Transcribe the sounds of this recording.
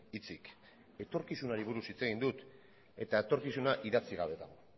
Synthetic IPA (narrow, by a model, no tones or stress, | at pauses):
it͡sik | e̞t̪o̞ɾkisunaɾiβuɾusit͡se̞ɣ̞ind̪ut̪ | e̞t̪ae̞t̪o̞ɾkisunaʔiðat͡siɣ̞aβe̞t̪aɣo